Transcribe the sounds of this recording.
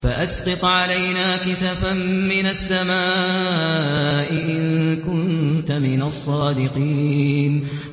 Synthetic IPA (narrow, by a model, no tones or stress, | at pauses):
faʔasqɑt̪ˤʕalajnaːkɪsafammːɪnasːamaː | ʔɪʔɪnkʊnnt̪amɪnasˤːɑːd̪ɪqiːn